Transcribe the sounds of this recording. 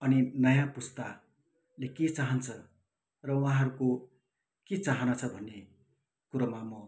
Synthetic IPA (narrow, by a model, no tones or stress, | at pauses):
ʌninʌjãpust̪a | leket͡saɦʌnt͡sʰʌ | rʌuɦãɦʌɾuko | ket͡saɦʌnat͡sʰʌbʱʌnːe | kuɾʌmamʌ